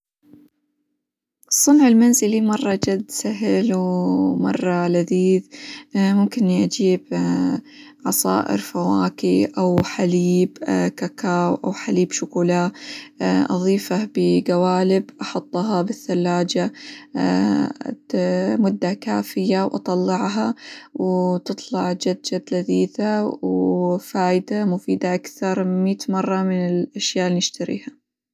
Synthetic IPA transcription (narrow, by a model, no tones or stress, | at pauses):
ʔɨsˤːʊnʕɪlmanzɪlimɑrˤːɑd͡ʒad̪ːsaɦɪlwmɑ̰rˤːɑlaðiːðmʊmkɪnʔad͡ʒiːb̚ | ʕɑsˤɑ̰ːʔɪ̰ɾfawaːkiʔawħaliːbkakaːwʔawħaliːbʃʊkulaː | ʔɑ̰ðˤiːfabɪɡawaːlɪbʔɑħʊt̪ˤːɦɑbɪθːalːaːd͡ʒa | mʊd̪ːakaːfɪjawʔɑt̪ˤɑlːɑʕɦɑwt̪ɨt̪ˤlɑʕd͡ʒad̪d͡ʒad̪laðiːθawfaːjd̪amʊfiːd̪aʔakθɑɾˤmiːt̪mɑrˤːɑmɪnɪlʔaʃjaːʔlːinɪʃt̪aɾḭːha